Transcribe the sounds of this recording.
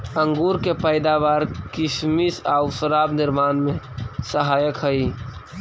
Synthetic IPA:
ə̃ŋɡuːɾkepəɪd̪aʋaːɾkɪsmisaʊsəɾaːbnɪɾmaːnmẽ | səɦaːjəkɦəi

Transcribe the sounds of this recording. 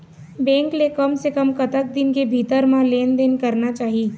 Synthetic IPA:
bɛ̃ːŋklekɐmsekəmkɐt̪ək̚d̪ɪnkebʱiːt̪əɾmãleːnd̪eːnkɐɾnat͡ʃaːɦiː

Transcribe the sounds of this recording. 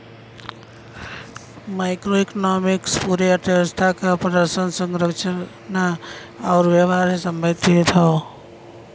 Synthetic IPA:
maɪkɾoekɔnɔmikspuɾeət̪əəst̪ʰakapɾəd̪əɾsənsəŋɡɾəkt͡ʃə | na | aʊɾʋeʋaɾesəmbʱəd̪ʱet̪ʰɔ

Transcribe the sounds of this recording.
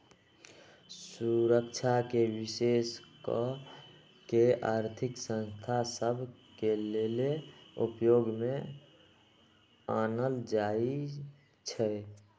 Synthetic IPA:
suɾəkt͡ʃʰakebiseskɔ | keaɾt̪ʰiksə̃nst̪ʰasəbʱkeleleṵpjoɡme | anəld͡ʒai | t͡ʃʰɛ

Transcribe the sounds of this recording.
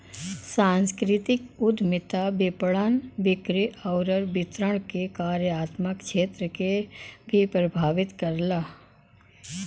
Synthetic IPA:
sãːnskɾɪt̪ɪkʊd̪mɪt̪abɪpɽənʋɪkɾiɔʊɾəɾbɪt̪ɾəɽ̃kekaːɾjaːt̪məkʃeːt̪ɾəkebʱipɾəbʱaːʋɪt̪kəɾlaː

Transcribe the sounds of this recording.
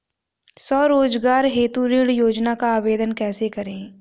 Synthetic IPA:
sɔːɾoːd͡ʒɡaːɾɦeːt̪uɾiɽjoːd͡ʒnakaːʋeːd̪ənkɛːsekɐɾẽː

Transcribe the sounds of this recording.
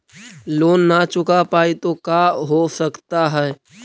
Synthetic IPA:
loːnːat͡ʃʊkapaːit̪okaːɦosəkt̪aɦɛː

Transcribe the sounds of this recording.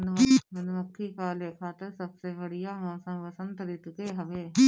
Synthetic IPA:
nmənʋəkʰːiːkʰaːleːkʰaːt̪əɾsəbseːbəɽijaːmõːsə̃ːʋəsə̃nt̪ɾɪt̪ɡeːɦəʋeː

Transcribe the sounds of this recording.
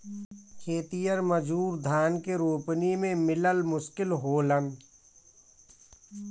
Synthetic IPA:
kʰeːt̪ijəɾməd͡ʒuːɾd̪ʱaːnkeɾoːpnimẽmɪləlmʊʃkɪlɦoːlən

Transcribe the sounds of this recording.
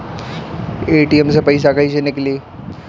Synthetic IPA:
eːʈiemsepɐɪs̬akɐid͡ʒenekelie

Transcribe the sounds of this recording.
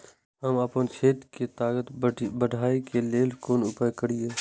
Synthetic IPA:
ɦəməpənt͡ʃʰeːt̪ket̪aːkət̪bəɖʱaːikeleːlkoːnʊpəjkəɽieː

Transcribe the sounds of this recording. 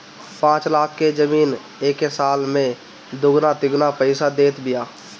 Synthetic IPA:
pãːt͡ʃlaːkʰked͡ʒəmiːn | eːkesaːlmẽ | d̪ʊɡnat̪ɪɡnapəɪsad̪eːt̪bɪjaː

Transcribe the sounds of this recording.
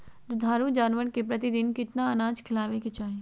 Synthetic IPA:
ɾʊd̪ʱaːɾud͡ʒaːnʋəɽkepɾɐt̪id̪ɪnkɪt̪naɐnaːd͡ʒkʰɪlaːʋeket͡ʃaːɦe

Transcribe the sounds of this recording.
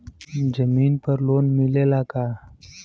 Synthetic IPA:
d͡ʒəmiːnpəɾloːnmɪlelakaː

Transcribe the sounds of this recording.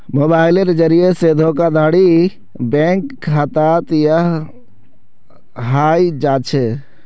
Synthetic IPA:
moːbaːɪleɾd͡ʒəɾijesed̪ʱokad̪ʱaːɽi | bẽŋkːʰat̪at̪jəɦ | ɦaːjd͡ʒaːt͡ʃʰe

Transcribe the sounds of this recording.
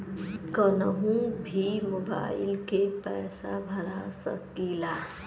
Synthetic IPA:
kənəɦũbʱimoba̰ɪilkepɛːsabʱəɾasə̰kila

